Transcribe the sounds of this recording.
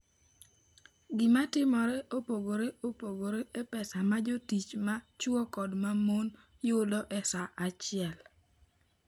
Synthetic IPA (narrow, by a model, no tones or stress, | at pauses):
ɡɪmatɪmɔɾɛʔopoɡoɾeopoɡoɾeepɛsamad͡ʒotit͡ʃmat͡ʃwɔkɔdmamon | jʊdɔʔɛsaʔat͡ʃɪɛl